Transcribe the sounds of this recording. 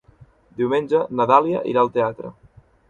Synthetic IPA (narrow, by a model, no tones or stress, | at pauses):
d̪iwmenʲd͡ʒənəðalia̰ʔḭɾaəlˠt̪eat̪ɾə̰